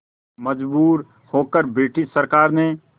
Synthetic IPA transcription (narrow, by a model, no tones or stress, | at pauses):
məd͡ʒbuːɾ | hoːkəɾbeːʈʰisəɾkaːɾne